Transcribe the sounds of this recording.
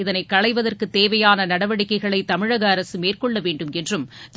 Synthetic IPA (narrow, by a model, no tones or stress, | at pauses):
ɪðɐnɐɪkːɐɻɐɪʋɐðɐrkɯt̪ːeːʋɐjaːnɐnɐɽɐʋɐɽɪkːɐɪɣɐɭɐɪt̪ːɐmɪɻɐɣɐːɾɐsɯmeːrkɔɭːɐʋeːɳɖɯmɛndrɯmt̪